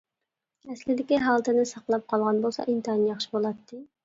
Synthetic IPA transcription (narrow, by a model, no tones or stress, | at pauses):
ɛslɪd̪ɪkʲiɦɑlˠt̪ʰɪnɪsɑqlˠɑp̚qʰɑlˠʁɑnbolˠsɑ̰ʔint̪ɑnjɑχʃi̥bolˠɑt̪ʰːɨ